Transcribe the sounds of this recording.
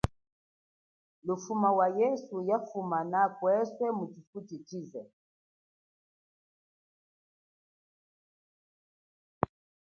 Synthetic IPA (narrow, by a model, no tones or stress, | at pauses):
lufumawajɛsujafumanakwɛswɛmut͡ʃifutit͡ʃizɛ